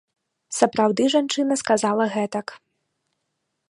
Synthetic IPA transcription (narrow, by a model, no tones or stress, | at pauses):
sɐpɾawd̪ɨʐant͡ʂɨnɐskazalˠɐɣɛt̪ɐk